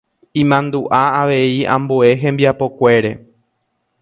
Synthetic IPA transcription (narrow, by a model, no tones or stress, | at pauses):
ĩmãnd̪uʔaaʋe̞iã̰mboe̞ɦẽ̞mbiapo̞kʷe̞ɾe̞